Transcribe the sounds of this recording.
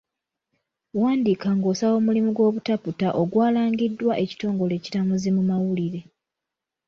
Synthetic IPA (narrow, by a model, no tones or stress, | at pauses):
waːndikaŋɡo̞ːsawo̞ːmulimuɡwo̞ːβutaputaʔoɡwaːlaːŋɡidːwaʔe̞ci̥to̞ːŋɡo̞le̞ːci̥tamuzimumawuliɾe̞